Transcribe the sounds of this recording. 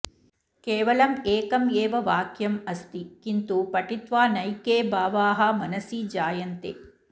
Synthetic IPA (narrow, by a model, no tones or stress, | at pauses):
keːʋɐlɐmeːkɐmjeːʋɐʋaːkjɐmɐst̪ikint̪upɐʈit̪ʋaːnɐjkeːbaːʋaːɦɐmɐnɐsiːd͡ʒaːjɐnt̪ḛ